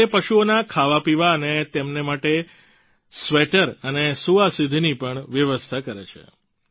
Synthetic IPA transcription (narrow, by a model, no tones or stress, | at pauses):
epəʃuonakʰaʋapiʋaənet̪emnemaʈe | sʋeʈəɾənesuʋasid̪ʱnipəɳʋjəʋəst̪ʰakəɾḛt͡ʃʰḛ